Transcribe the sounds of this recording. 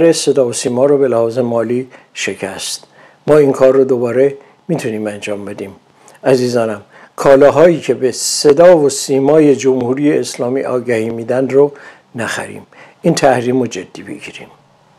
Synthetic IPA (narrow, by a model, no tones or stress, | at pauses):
ɾese̞d̪ɒːvosiːmɒːɾɔːbe̞læhɒːze̞mɒːliː | ʃe̞cʰæst̪ | mɒːiŋkʰɒːrːod̪obɒːɾe̞ | miːt̪ʰuniːmænd͡ʒɒːmbe̞d̪iːm | æziːzɒːnæm | kʰɒːlɒːɦɒːiːcʰe̞bese̞d̪ɒːvosiːmɒːje̞d͡ʒomhuːɾiːjeːslɒːmḭːʔɒːɡæhiːmiːd̪ænd̪ro | næxæ̰ɾḭːm | int̪ʰæhɾiːmod͡ʒed̪̥ːiːbḛɡḭːɾḭːm